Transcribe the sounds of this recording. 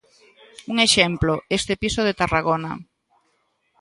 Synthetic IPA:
uŋeʃɛmploest̪episoðet̪araɣonɐ

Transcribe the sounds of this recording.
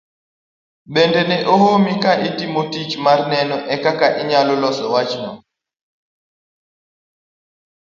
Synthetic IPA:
ɓɛndɛnɛʔɔhomikaʔitimotit͡ʃmaɾnɛnɔʔɛkakaʔiɲalɔlɔsɔwat͡ʃnɔ̰m

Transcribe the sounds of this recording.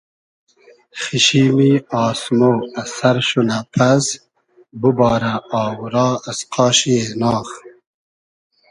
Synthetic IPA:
xiɕiːmiɑːsmoːɐsɐɾʃunapʰas | bubɑːɾaɑːwuɾɑːɐsqʰɑːɕienɑːχ

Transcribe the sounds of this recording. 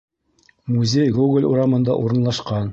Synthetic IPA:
muzʲejɡuɡlʲṵɾɑmɤ̆nd̪ɑ̰ʔuɾɤ̆nlˠɑʃqɑn

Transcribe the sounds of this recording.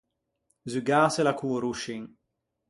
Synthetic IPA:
zyɡaːselakuːɾuʃiŋ

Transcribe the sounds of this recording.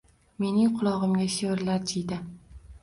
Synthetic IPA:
me̞nɪŋqʰʊlˠɒʁɨmɡʲaʃeɾlaɾd͡ʒʰijd̪ɪ

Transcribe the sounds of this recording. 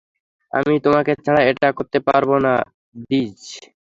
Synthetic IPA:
a̰mit̪omaket͡ɕʰɛɽaeʈakoɾt̪epaɾbona | did͡ʑ

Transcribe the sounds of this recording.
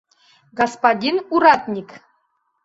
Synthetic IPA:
ɡɔspadʲinuɾɑt̪nʲik

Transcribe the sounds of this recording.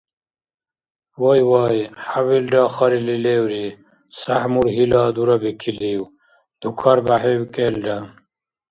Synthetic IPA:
wojwaːjhawilɖaːxɐɾilileːwɾi | sɐhmuɾɦilaːd̪uɾɐbikʰiliːw | d̪ʱukʰɐɾbaɦewkeːlɖa

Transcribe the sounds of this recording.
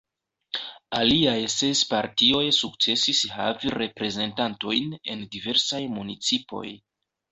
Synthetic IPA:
aliajse̞spaɾtio̞jsuk̚t͡se̞sishaviɾe̞pɾe̞ze̞ntanto̞jne̞̰ndive̞ɾsajmunit͡sipo̞̰j

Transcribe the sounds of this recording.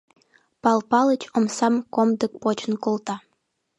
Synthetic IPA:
pɑlˠpɑlˠət͡ɕomsɑmkomd̪ə̆k̚pot͡ɕənkolˠt̪ɑ

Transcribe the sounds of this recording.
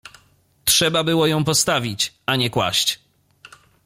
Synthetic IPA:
tʂɛbabɘwɔjɔ̃w̃pɔst̪avʲit͡ɕ | aɲɛkwa̰ɕt͡ɕ

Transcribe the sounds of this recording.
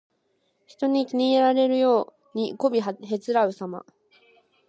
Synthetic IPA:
çi̥t̪o̞ɲ̟ikʲiɲ̟ieɾaɾe̞ɾɯ̟jo̞ː | ɲ̟iko̞bʲiɦɦe̞t͡sɨɾaɯ̟sama̰

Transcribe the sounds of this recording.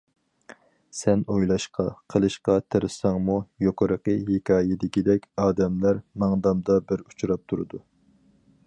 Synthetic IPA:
sɛnojlˠɑʃqɑqʰəlˠɨʃqɑt̪ʰeɾɨsɑŋmujoqəɾəqəɦekʲʰɑːjɪd̪ɪkʲid̪ɛkʲɑːd̪ɛmlæɾmɑŋd̪ɑmd̪ɑbɪɾu̥t͡ʃʰuɾɑp̚t̪ʰuɾɨ̰d̪u

